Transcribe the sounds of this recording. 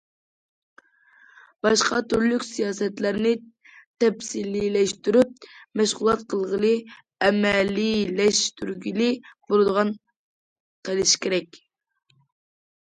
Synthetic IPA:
b̥ɑʃqʰɑt̪ʰyɾlykʲsijɑːsɛt̪læɾnɪ | t̪ʰɛpsililɛʃt̪yɾyp̚mɛʃʁʊlˠɑt̪qʰəlˠʁəlˠɨ | ɛmɛlːilɛʃt̪yɾɡʲilɪbolˠɨd̪əʁɑn | qʰəlˠɪʃkʲeɾɛkʲ

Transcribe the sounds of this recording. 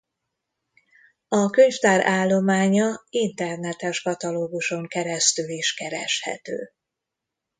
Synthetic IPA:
ɒkøɲft̪aːɾʔaːlːo̞maːɲɒint̪ɛrnɛt̪ɛʃkɒt̪ɒloːɡuʃo̞ŋkɛɾɛst̪yliʃkɛɾɛ̰ʃhɛ̰t̪ø̰ː

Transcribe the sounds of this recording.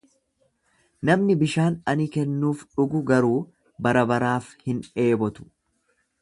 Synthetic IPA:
nɐmnɪbɪʃaːnɐnɪkɛnːuːfᶑʊɡʊɡɐɾuː | bɐɾɐbɐɾaːfhɪne̞ːbɔt̪ʊ̥

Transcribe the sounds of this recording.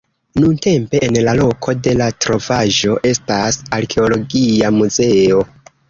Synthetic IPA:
nunte̞mpe̞ʔːnlalo̞kʰo̞de̞latɾo̞vaʒo̞ʔe̞stasaɾkʰe̞o̞lo̞ɡiamuze̞o̞

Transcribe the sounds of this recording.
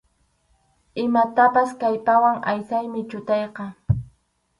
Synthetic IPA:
ɪmat̪apaskajpawaŋa̰jsajmɪt͡ʃʊt̪ɑjqɑ

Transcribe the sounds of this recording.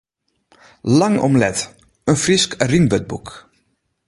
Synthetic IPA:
laŋɔ̰mlɛt | ənfriskrinbøt̚buk

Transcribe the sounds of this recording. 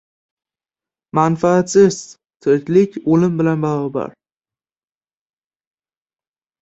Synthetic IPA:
manfaːt̪sɪz̥ | t̪ʰɪɾkʲlɪkʲolɪmbɪlanbaʁɒba̰ɾ

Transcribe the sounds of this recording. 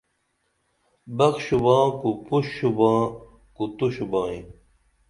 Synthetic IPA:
bɐkɕubãːkupuɕːubãː | kut̪uɕubãːĩ

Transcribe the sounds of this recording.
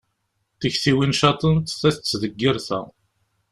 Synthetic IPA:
θəçθiwinʃɑt̪ˤənt̪θæθt͡sːðəɡːiɾθæ̰

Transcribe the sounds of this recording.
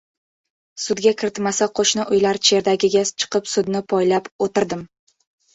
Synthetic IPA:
sʊd̪ɡʲakʲʰɪɾɪt̪masaqʰoʃnɪʔʊjlaɾt͡ʃʰe̞ɾd̪aɡʲɪɡʲat͡ʃʰɨ̥qɨpsʊd̪nɪpʰɒjlapot̪ɪɾd̪ɪm

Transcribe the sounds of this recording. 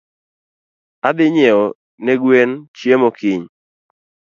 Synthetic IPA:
abɪɲɛɔ | neɡwent͡ʃjemokɪɲ

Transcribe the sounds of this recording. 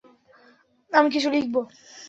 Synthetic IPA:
amik̬it͡ɕʰulik̚bo

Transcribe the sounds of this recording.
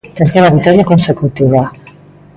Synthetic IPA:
t̪eɾθeɾaβik̚t̪ɔɾjakunsəkut̪iβa

